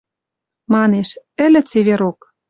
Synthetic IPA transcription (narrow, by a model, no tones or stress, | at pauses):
mɑneʃɘ̆lʲɘ̆t͡seβeɾok